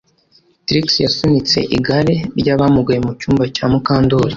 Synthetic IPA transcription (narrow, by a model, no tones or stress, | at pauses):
tɾiksjasunit͡se̞̰ʔiɡaɾeɾɟaβamuɡajemucuːmbacaːmukaːndoɾa